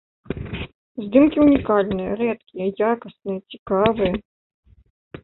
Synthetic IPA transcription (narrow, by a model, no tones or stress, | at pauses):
zd̪ɨmkʲiunʲikalʲnɨjɐ̰ɾɛt̪̚kʲijɐjakɐsnɨjɐt͡sʲikavɨjɐ